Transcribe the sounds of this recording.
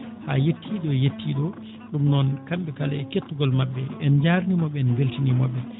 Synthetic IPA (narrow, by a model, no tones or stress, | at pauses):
ha̰jetʰːiɗɔjetːiɗɔ | ɗumnɔnkamɓɛkalaɛketːuɡɔlmabːɛɛnd͡ʒaɾnimɔɓːɛɛnɡeltinimɔɓːɛ